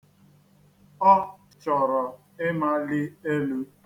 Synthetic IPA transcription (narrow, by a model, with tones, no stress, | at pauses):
ɔ˦ | t͡ʃɔ˨ɾɔ˨ | ɪ˦ma˦lɪ˦e˦lu˦